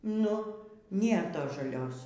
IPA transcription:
ˈnʊ ˈnʲeːr ˈtoːs ʒɐˈlʲoːs

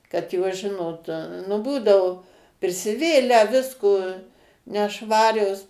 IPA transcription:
kɐt ˈjoːs ˈʒʲɪnoːt nʊ ˈbuːdɐʊ pʲrʲɪsʲɪˈʋʲeːlʲæː ˈʋʲɪskoː nʲɛˈʃʋɑːrʲoːs

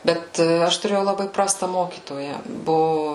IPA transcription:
ˈbʲɛt ˈɐʃ tʊˈrʲeːjɛʊ lˠɐˈbɐɪ ˈprɑːstɐ ˈmoːkʲiːtoːjɛ ˈbʊʋʊ

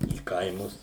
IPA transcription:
iː ˈkɐɪmʊs

